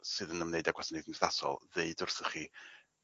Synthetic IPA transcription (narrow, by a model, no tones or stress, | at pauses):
sɨðənəmneɨdaɡwasnɪdnsðasɔ̰lˠðeɨdʊrθəχi